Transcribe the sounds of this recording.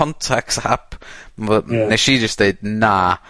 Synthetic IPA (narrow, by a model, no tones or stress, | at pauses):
ɔ̃ntʰɛkshap | neʃid͡ʒʌsd̥eɪd̚na